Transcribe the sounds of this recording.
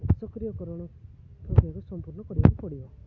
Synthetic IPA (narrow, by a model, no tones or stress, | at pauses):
sɔkɾijɔkɔɾɔɽ̃ɔ | pʰɔkiakusɔmpuɾnɔkɔɽiba̰kupɔɽibɔ